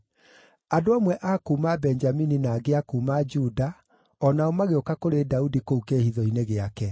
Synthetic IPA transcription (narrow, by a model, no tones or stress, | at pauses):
adoamwɛʔakuːmabɛnd͡ʒamininaːɡeakuːmad͡ʒuda | ɔnaomaɣeokakoɾedaudikoukehiðɔineɣeakɛ